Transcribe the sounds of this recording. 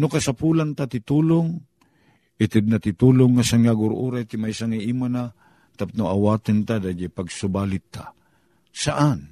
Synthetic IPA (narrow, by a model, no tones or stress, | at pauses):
nʊkasapuːlant̪at̪ɪt̪uːlʊŋ | ʔɪt̪ɪd̪̚nat̪ɪt̪uːlʊŋːasaŋaɡʊɾʔṵɾajt̪ɪmajsaŋiʔimana | t̪ap̚nʊʔawaːt̪ɪnt̪ad̪ad͡ʒapaɡsʊbaːlɪt̪ːa̰ | saʔan